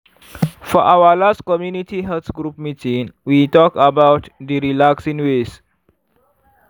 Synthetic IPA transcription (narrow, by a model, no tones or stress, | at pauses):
fɔʔawəlaskɔmjunitiɦɛtɡɹup̚mitĩŋwitɔkəbawtdiɹilaksĩŋwes